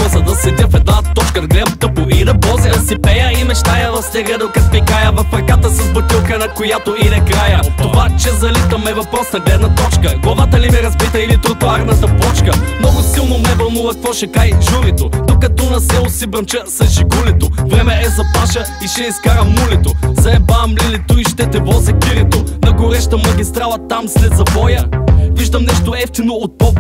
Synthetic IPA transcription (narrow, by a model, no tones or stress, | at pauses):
ɔzɐd̪ɐsɛd̪ʲəfɛd̪nat̪ɔt͡ʃkəd̪ɐɡlɛd̪ɐt̪əpoid̪ɐbɔzɛd̪ɐsɛpɛjəimɛʃt̪ajəvɐfsɛɡlɛd̪ɐlˠkɐt̪̚pikajəvɐfɾɐkat̪əsɐzbɐt̪ʲilˠkənɐkojat̪oinɐkɾajət̪ovat͡ʃɛzɐlit̪ɐmɛvɐpɾɔsɐɡlɛd̪nɐt̪ɔt͡ʃkəɡlˠɐvat̪əlimɛɾɐzbit̪əilit̪ɾʊt̪ʊaɾnɐt̪ɐpɔt͡ʃkəmnɔɡʊsilˠnomnɛvɐlˠnuvɐk̚kvɔʃɛkajʒuɾit̪onokɐt̪ɔnɐsɛlˠosibɾɐnt͡ʃəsɐʒiɡulit̪ovɾɛmɛʔɛzɐpaʃɐ | iʃɛiskaɾəmulit̪ozɐɛbamlilit̪uiʃt̪ɛt̪ɛbɔzɐkʲiɾit̪onɐɡʊɾɛʃt̪əmɐɡʲist̪ɾalˠɐt̪amslɛd̪zɐbɔjəviʒd̪ɐmnɛʃt̪oɛft̪inoot̪̚pɔp